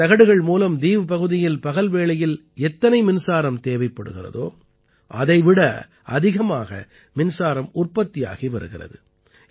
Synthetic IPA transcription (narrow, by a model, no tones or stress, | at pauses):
ɐɣɐɽɯɣɐɭmuːlɐmd̪iːʋɯpɐɣɯðɪjɪlpɐɣɐlʋeːɭɐjɪl | ɛt̪ːɐnɐɪmɪnsaːɾɐmt̪eːʋɐɪpːɐɽɯ̰ɣɪrɐ̰ðo̰ː | ʔɐ̰ðɐɪʋɪɽɐ | ɐðɪɣɐmaːɣɐ̰ | mɪnsaːɾɐmʊrpɐt̪ːɪja̰ːɣiʋɐɾɯ̰ɣɪrɐ̰ðɯ